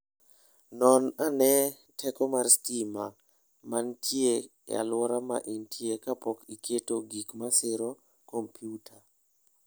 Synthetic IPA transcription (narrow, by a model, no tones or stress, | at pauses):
nɔnanɛ | tʰɛkɔmarskima̰ | mantʰje | ja̰lwɔɾama̰ʔintʰjekapɔkikʰetoɡikmasɪɾɔ | kompʰjutʰa